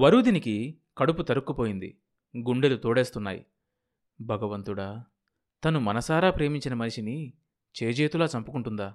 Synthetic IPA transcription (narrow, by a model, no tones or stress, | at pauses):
ʋɐɾuːd̪iniki | kɐɽup̬ut̪ɐɾukːupo̞ːjind̪ḭ | ɡuɳɖelut̪oːɽe̞ːst̪unːa̰ːjḭ | bʱɐɡɐʋɐnt̪uɽaː | t̪ɐnumɐnɐsaːɾaːpɾe̞ːmiɲt͡ʃinɐmɐniʂini | t͡ʃeːd͡ʒeːt̪ulaːt͡ʃɐmpukuɳʈund̪aː